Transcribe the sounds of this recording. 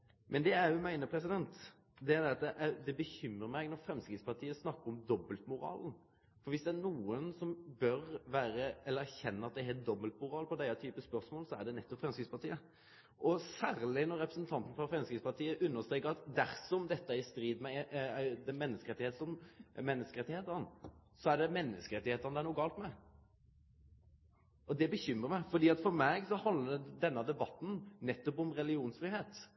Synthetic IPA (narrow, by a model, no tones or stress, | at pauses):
mʔɛnd̪ɛæɾjʊmæɪnəpʰɾɛsɪd̪ɛnt̪ | d̪ɛæɾd̪ɛɾɑt̪̚d̪ɛʔæd̪ɛbəçʏmɾəmæɪɡnɔfɾɛmskɪt̪spɑʁt̪ʰiːəsnɑkːəɔmd̪ɔbəlt̪mʊɾɑ̰ːln | fɔɾʋɪsd̪ɛænuːənsɔmbœɾʋæːɾəɛləɾæçɛnːəɑt̪̚d̪ɛhɛt̪̚d̪ɔbəlt̪mʊɾɑːlpʰɔd̪æɪɑt̪ʰyːpəspœɾsmoːlsɔæd̪ɛnɛt̪ːɔpfɾɛmskʁɪtspɑʁt̪ʰiːə | ʔɔsæːɾlɪnɔɾɛpɾəsn̩t̪ʰɑnt̪n̩fɾɑfɾɛmskɾɪspɑt̪ʰiːəʔʉnːəʁst̪ʁɛːkəɑt̪d̪æɾsɔmd̪ɛt̪ːəæɾɪst̪ɾiːd̪mɛd̪ɛmɛnːəskəɾɛt̪ːɪheːt̪sɔmmɛnːəskəɾɛt̪ːɪheːt̪ənsɔæɖɛmɛnːəskəɾɛt̪ːɪheːt̪əʁnəd̪æɾnuːɡɑːlt̪mɛ | ʔɔd̪ɛbəçʏmːʁəɾmæɪfɔd̪iːɑt̪fɔɾmæɡsɔhɑnd̪ləd̪ɛnːəd̪ɛbɑt̪ːn̩nɛt̪ːɔpɔmɾɛlɪuːnsfɾiːɦeːt̪